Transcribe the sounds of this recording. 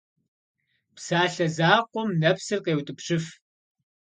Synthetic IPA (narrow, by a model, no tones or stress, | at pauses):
psaːɬɐzaːqʷʼɔmnɐpsɨrqeːwtʼɨpɕɪf